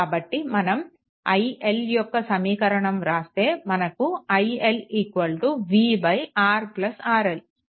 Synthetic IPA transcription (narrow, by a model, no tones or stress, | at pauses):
bɐʈːimɐnɐm | ɐ̰jeljɔkːɐsɐmiːkɐɾɐɳɐmɾaːst̪e̞ːmɐnɐkuɐjelikʋɐlʈuʋiːbɐjaːɾplɐsaːɾel